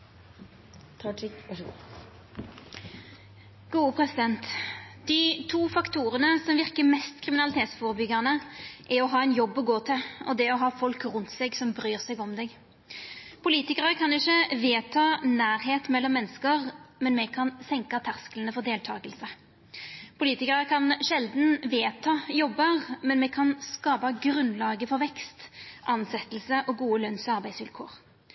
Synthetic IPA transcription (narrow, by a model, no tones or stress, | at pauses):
t̪ʰɑʈ | ɡ̥uːpʰʁɛsɪd̪ɛnt̪d̪̥ɪt̪ʰuːfɑkt̪uːʁənəsɔmʋɪʁkəmɛst̪kʰʁɪmɪnɑlɪt̪ʰeːt̪sfɔːʁəbʏɡɑnəʔɛɔɦɑːɛɪnjɔbːɔɡoːt̪ʰɪlɔ̰d̪ɛɔɦɑːfɔlkʁʉnt̪sɛɡsɔmbɾyːʁsɛɡɔmd̪ɛɡ | pʰʊliːt̪ɪkəʁəkʰɑnɪçːəʋeːt̪ʰɑːnæːɾɦeːt̪mɛlːɔmːɛnːəskəʁmɛnmɛkʰɑnsɛŋkɑt̪ʰæʁskələnəfɔʁd̪eːlt̪ʰɑːɡəlsə | pʰʊliːt̪ɪkəʁəkʰɑnʃɛld̪nʋeːt̪ʰɑːjɔbːəʁmɛnmɛkʰɑnskɑːpɑɡɾʉnlɑːɡəfɔɾʋɛkst̪ʔɑnsɛt̪ːəlsəʔɔɡuːəlœnsɑɾbæɪsʋɪlkʰo̰ːʁ